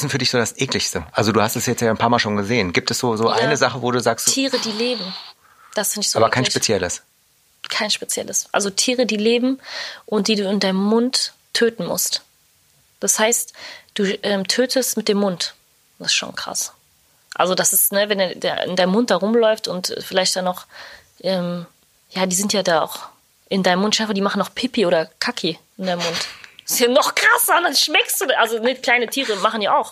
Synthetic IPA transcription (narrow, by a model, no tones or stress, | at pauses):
sɪnfyːɐdɪçz̥oːdasʔeːklɪçstəʔalzoduːhastɛsjɛt͡stjaːɪnpʰaɐmaːlʃoːnɡəzeːənɡiːp̚tɛsz̥oːzoːʔa̰ɪnəzaχəvoːɾuːzaːkstttʰiːʁədiːleːbm̩ | d̥asɪsnɪçz̥oaːbɐkʰaɪnʃpet͡sjɛləs | kʰaɪnʃpet͡sjɛ̰ləsʔa̰lzotʰiːʁ̞ədiːleːbm̩ʔʊnt̚d̥iːduːɪndaɪnəmmʊntʰː | øːtn̩mʊ̰st | d̥ashaɪstd̥uːʔɛːmtʰøːtʰəstmɪt̚d̥eːmːʊnt | ɪsʃo̰ːnkʁ̥a̰s | ʔa̰lzodasɪsnəvɛnda̰ɪ̰ndaɪnəmʊnt̚d̥aːʁʊmlɔʏftʊntfɪlaɪçt̚d̥anɔχ | ʔɛːm | jaːdiːzɪntjaːdaːa̰ʊx | ʔɪndaɪnəmʊntʃaɪfaɐdiːmaχn̩nɔχpʰɪpioːdɐkʰakʰiʔɪndaɪnəmʊntɪ̥sjaːnɔχkʁ̥asɐʊndanʃmɛkstd̥uːdʔalzonəkl̥aɪnətʰiːʁəmaχn̩djaːʔaʊx